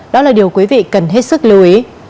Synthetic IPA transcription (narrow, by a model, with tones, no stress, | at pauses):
ɗɔ˨˦laː˨˩ɗi˨˩əwkwi˨˦vḭ˧˨kə˨˩nɦe˦˥t̚sɨ˦˥k̚li˧wʔi˨˦